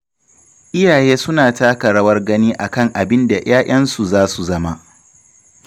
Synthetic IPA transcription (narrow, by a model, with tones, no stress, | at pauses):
ʔɪ˦jaː˨jeː˦sʊ˦naː˨taː˦kɐ˨ɽɐ˦wɐ˦rɡɐ˦niː˦ʔa˨kɐ˦˨ŋʔa˨bɪ˦nda˨j̰aː˦ʔɐ˦nsu˨zaː˦su˨zɐ˦ma˦